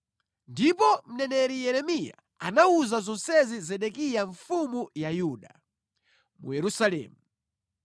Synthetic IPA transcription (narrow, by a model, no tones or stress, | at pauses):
ndipɔm̩nɛnɛɾijɛɾɛmija̰ | anauzazɔnsɛzizɛɗɛkijaɱfumujajuːɗa | mṵjɛɾusalɛ̰ːmu